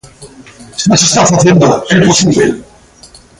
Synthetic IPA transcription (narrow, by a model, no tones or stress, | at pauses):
snasest̪afaθjend̪oeposiβḛ